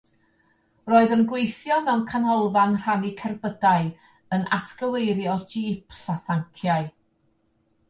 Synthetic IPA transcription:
roːɨðənɡwejθjɔmɛwnkʰanɔlˠvanr̥anikʰɛrbədaɨ | ənʔa̰tʰɡ̥əwejɾjɔdiːpʰsaθaŋkʰjaɨ

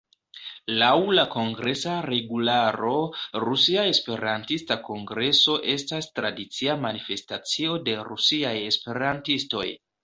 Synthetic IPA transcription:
lawlako̞ŋɡɾe̞saɾe̞ɡulaɾo̞ɾusiae̞spe̞ɾantistako̞ŋɡɾe̞so̞ʔe̞stastɾadit͡siamanife̞stat͡sio̞de̞ɾusiaje̞spe̞ɾantisto̞̰j

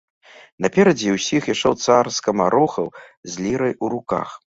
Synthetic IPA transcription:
nɐpʲɛɾɐd͡zʲiwsʲixjaʂt͡ʂɛwt̪sarskɐmaɾɔxɐwzʲlʲiɾɐjuɾuka̰x

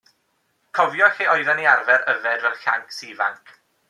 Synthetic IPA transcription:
kʰɔvjɔxiɔjðaniarvɛɾəvɛdvɛlˠɬa̰ŋksiva̰ŋkʰ

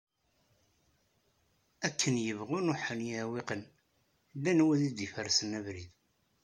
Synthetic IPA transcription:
ækʰːənjəvʁʊnʊħənjæweqən | lːænwiðid̪ifəɾsənævɾið

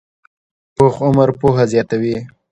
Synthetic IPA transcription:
poxʊməɾpohazjɑt̪awi

